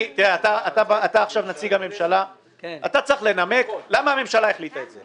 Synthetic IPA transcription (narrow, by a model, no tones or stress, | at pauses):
t̪iʁeat̪aːt̪abaːt̪aːχʃavnat͡siɡame̞mʃala | kat̪at͡saχle̞name̞klamaːme̞mʃalaeχlit̪aetze